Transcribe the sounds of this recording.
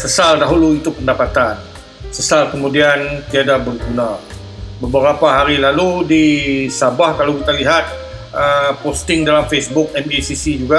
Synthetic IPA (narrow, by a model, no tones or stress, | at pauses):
səsaldaɦuluit̪upəndapat̪an | səsalkəmũdiant̪iadabərɡuna | bəbəɾapaɦaɾilaludisabahkalawkit̪aliɦat̪̚ | əpost̪ɪŋdalamfesbʊk̚ɛmisisid͡ʒuɡa